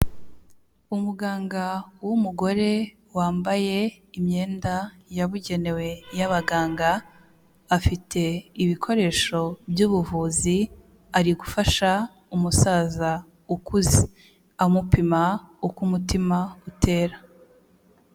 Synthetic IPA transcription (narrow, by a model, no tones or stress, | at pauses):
umuɡaːŋɡawumuɡo̞ɾe̞ | waːmbaje̞ | imɲe̞ːndajaβuɟe̞ne̞we̞jaβaɡaːŋɡaː | fitʰe̞iβikʰo̞ɾe̞ːʃo̞bjuːβuvuːzi | aɾiɡufaʃa | umusaːza | ukuzi | amupimaukumutimautʰe̞ːɾa